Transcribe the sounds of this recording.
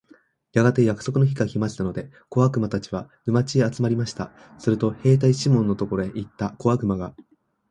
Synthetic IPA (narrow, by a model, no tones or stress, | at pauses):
jaɡat̪ejakɯ̟̥so̞kɯ̟no̞ç̬iɡaçʲimaɕi̥t̪ano̞d̪e̞ | ko̞βakɯ̟mat̪at͡ɕiβa | ɯ̟mat͡ɕiat͡sɨmaɾʲimaɕi̥t̪a̰ | sɨɾɯ̟t̪o̞he̞ːt̪̬aiɕimõ̞nːo̞t̪o̞koɾo̞eʔit̪ːako̞βakɯ̟maɡa